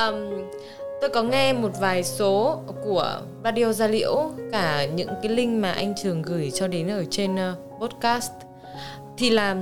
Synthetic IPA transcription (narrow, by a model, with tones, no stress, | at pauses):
ʔəː˨˩m | t̪o˧jkɔ˨˦ŋɛ˧mo˨˩t̚vaː˨˩jso˨˦ku˧˩ə | ɾaː˧ɗi˧o˧zaː˧lḭ˧˥əwkaː˧˩ɲɨ̰˧˥ŋkaː˨˦jlï˧ŋ̟maː˨˩ʔa˧jŋ̟t͡ɕɨ˨˩əŋɣɨ˧˩jt͡ɕɔ˧ɗe˨˦nʔəː˧˩t͡ɕe˧n˧ | ɓo˦˥t̚kaː˦˥st | t̪ʰi˨˩laː˨˩